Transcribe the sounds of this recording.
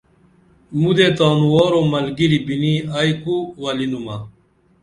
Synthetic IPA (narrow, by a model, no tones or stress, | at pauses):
mud̪et̪aːnuwoːɾomɐlɡiɾibiniajkuwɐlinumɐ